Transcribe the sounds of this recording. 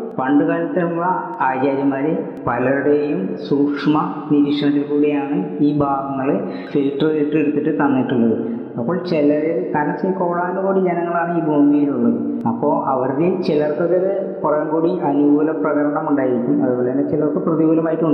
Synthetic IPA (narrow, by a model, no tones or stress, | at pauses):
pɐɳɖɨɣaːɾɐt̪ːiuɭːɐ | aːd͡ʑaːɾjɐmaːɾe | pɐlɐɾuɽejumsuːkʂmɐniɾiʂɐɳɐt̪ːilkuːɽejaːɳɨiːbaːɡɐŋːɐɭ | filʈriʈːeɽut̪ːiʈːɨt̪ɐnːiʈːuɭːɐðɨ | ɐpːo̞ːɭt͡ɕelɐɾek̪ɐnɐsikoːɭaːnuɡuːɽid͡ʑenɐŋːɐɭaːɳɨiːbʱoːmijiluɭːɐɨ | ɐpːoʔɐʋɐɾɐðit͡ɕelɐrt̪ɐðɐðe | purɐjumkuːɽiʔɐnuɡulɐprɐɣɐɾɐɳɐmuɳɖaːjiɾikʲːumɐ̰ðupo̞ːɭet̪ɐnːet͡ɕelɐrt̪ːɨprɐðiɡuːlɐmaːjiʈːuɳɖ